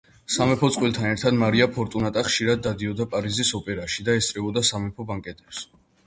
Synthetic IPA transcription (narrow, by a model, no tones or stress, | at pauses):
samɛpʰɔt̪sqʼwilt̪ʰanɛɾt̪ʰad̪maɾiapʰɔɾt̪ʼunat̪ʼaχʃiɾad̪ːad̪iɔd̪apʼaɾizisɔpʼɛɾaʃid̪aɛst̪ʼɾɛbɔd̪asamɛpʰɔbaŋkʼɛt̪ʼɛps